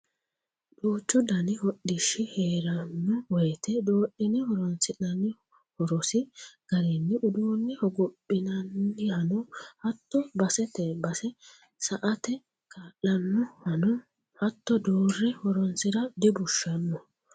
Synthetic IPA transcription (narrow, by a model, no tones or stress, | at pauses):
duːt͡ʃːɔd̪ɐnɪhɔɗːɪʃːɪheːɾɐnːʊwɔjt̪ɛd̪oːʔɪnɪhɔɾɔnsɪnɐnɪ | hɔɾɔsɪɡ̥ɐɾɛnːɪʔʊd̪uːnːɪhɔɡɔpʼːɪnɐnːɪhɐnɔhɐt̪ːɔbɐsɛt̪ɛbɐsɛ | sɐʔɐt̪ɛ | kaːlːɐnːɔhɐnɔ | hɐt̪ːɔd̪oːrːɪhɔɾɔnsɪɾɐd̪ɪbʊʃːɐnːɔ